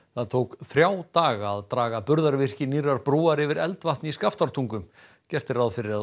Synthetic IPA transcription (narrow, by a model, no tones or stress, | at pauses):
θaðt̪ʰoːwkθɾjaːwt̪aːɣaːðt̪ɾaːɣapʏɾðaɾvɪr̥cɪnirːaɾpɾuːaɾɪvɪɾɛlt̪vaht̪nɪiskaft̪aɾ̥t̪ʰuŋkʏm | cɛr̥t̪ɪɾawðfɪɾɪɾa